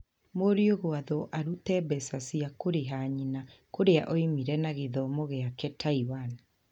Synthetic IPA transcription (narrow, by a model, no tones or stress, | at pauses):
moɾioɣoaðɔʔaɾutɛbɛsasiakoɾeɦaɲinakoɾeaʔɔimiɾɛnaɣeðɔmoɣeakɛtʰaiwani